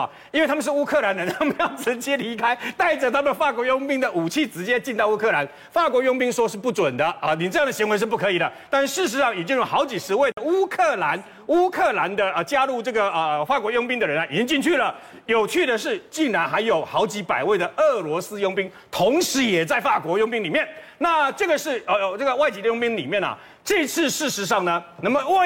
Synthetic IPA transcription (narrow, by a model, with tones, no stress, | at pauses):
i˥nwe˥˩ɪa˥mə˨nʂ̩˥˩u˥kʰɤ˥˩la˧˦nd̪ə˧t̪ʰa˥˩mə˨jɑ˥˩ʊʈ͡ʂʰə˧˦nt͡ɕjɛ˥li˧˥kʰa˥ɪt̪a˥˩ɪʈ͡ʂə˨˩t̪ʰa˥mə˨nfa˥˩kwɔ˧˥jʊ˥ŋpi˥ŋd̪ə˨ʔu˨˩t͡ɕʰi˥˩ʈ͡ʂɻ̩˧˥t͡ɕjɛ˥t͡ɕi˥˧nt̪ɑ˥˧u˥kʰɤ˥˩la˧˦n | fa˥˩kwɔ˧˥jʊ˥ŋpi˥ŋʂwɔ˥ʂɻ̩˥˧pu˥˩ʈ͡ʂwə˨˩nd̪ə˦ə˨ni˨˩ʈ͡ʂɤ˥˧jɑ˥˩ŋd̪ə˩ɕi˧˥ŋwe˧ɪʂɻ̩˥˩p̬u˥˩kʰɤ˧˦i˨˩lə˦t̪a˥˧nʂʂɻ̩˥˩ʂ̬ɻ̩˧˥ʂɑ˥˩ŋjɛ˨˩t͡ɕjo˥˧jxɑ˧˥ʊt͡ɕi˨˩ʂɻ̩˧˥we˥˩ɪd̪ə˩u˥kʰɤ˥˩la˧˦n | u˥kʰɤ˥˩la˧˦nd̪ə˧ə˧˩t͡ɕja˥lu˥˧ʈ͡ʂɤ˥˩ɡə˩ə˧fa˥˩kwɔ˧˥jʊ˥ŋpi˥ŋd̪ə˨ɻə˧˦nɐ˨˩i˨˩t͡ɕi˥ŋt͡ɕi˥˧nt͡ɕʰy˥˩lə˩ | jo˨˩ʊt͡ɕʰy˥˩d̪ə˨ʂɻ̩˥˩t͡ɕi˥˩ŋɻa˧˥nxa˧˥ɪjo˨˩ʊxɑ˧˥ʊt͡ɕi˧˥pa˨˩ɪwe˥˩ɪd̪ə˩ə˥˩lwɔ˧˥sɹ̩˥jʊ˥ŋpi˥ŋ | t̪ʰo˧˥ŋʂɻ̩˧˥jɛ˨˩t͡sa˥˧ɪfa˥˩kwɔ˧˥jʊ˥˧ŋpi˥ŋli˨˩mjɛ˥˨˩nna˥˩ʈ͡ʂɤ˥˩ɡə˩ʂɻ̩˥˩ə˨˧ʈ͡ʂɡə˩wa˥˩ɪt͡ɕi˧˥d̪ə˧jʊ˥ŋpi˥ŋlḭ˨˩mjɛ˥˩nɐ̰˨˩ | ʈ͡ʂɤ˥˧i˧˥t͡s̩ʰ˥˧ʂɻ̩˥˩ʂɻ̩˧˥ʂ̬ɑ˥˩ŋnə˩na˥˩mə˩w